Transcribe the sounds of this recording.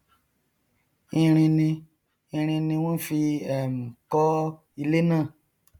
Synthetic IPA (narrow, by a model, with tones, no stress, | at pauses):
ĩ˧ɾ̃ĩ˧nĩ˧ | ĩ˧ɾ̃ĩ˧nĩ˧w̃ɔ̃˦fi˧ɛ˦˨m̩˨kɔ˦ | i˧le˦nãː˦˨